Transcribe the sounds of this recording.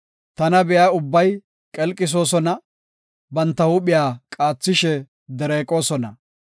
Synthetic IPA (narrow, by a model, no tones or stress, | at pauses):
t̪ɐnɐbɛjaːʊbːɐj | kʼɛlkʼːɪs̬o̞ːsɔnɐ | bɐnt̪ːɐhʊɓɪjaːkʼaːt͡sːɪʃɛ | d̪ɛɾeːkʼo̞ːsɔnɐ